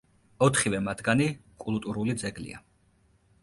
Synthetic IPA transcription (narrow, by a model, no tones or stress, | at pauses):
ɔt̪ʰχivɛmat̪ʰɡanikʼulˠt̪ʼuɾulid̪zɛɡlḭa̰